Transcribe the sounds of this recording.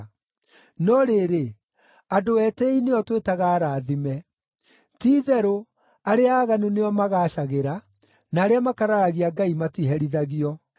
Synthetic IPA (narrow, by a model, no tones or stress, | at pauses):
nɔɾeɾe | adoɛːtɛineɔtwetaɣaːɾaːðimɛ | tiːðɛɾo | aɾeaaːɣanuneɔmaɣaːʃaɣeɾa | naːɾeamakaɾaɾaɣiaɡaimatiɦɛɾiðaɣiɔ